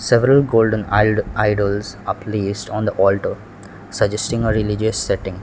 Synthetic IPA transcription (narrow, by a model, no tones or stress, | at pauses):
sɛʋɾəlɡoːlɖə̃nalaɪɖəlzʌpliːsʈɔ̃ːnd̪əʔɔːlʈə | səd͡ʒɛsʈɪ̃ŋəɾɪlɪd͡ʒəsːɛʈɪ̃ŋ